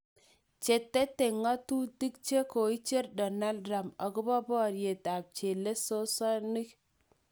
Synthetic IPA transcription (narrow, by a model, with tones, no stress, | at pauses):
t͡ʃe˨tːe˦te˨ŋɔ˦tu˦ti˦k̚t͡ʃe˦ko˨i˦t͡ʃe˦rdɔ˨na˦ldɾa˨mɔ˨kʊ˦bɔ˦bɔ˦˨ɾje˨ta˨p̚t͡ʃe˨le˦so˦sɔ˦ni˦k